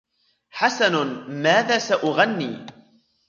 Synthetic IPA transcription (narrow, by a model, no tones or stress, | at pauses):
ħasanʊmaːðaːsaʔʊɣanːiː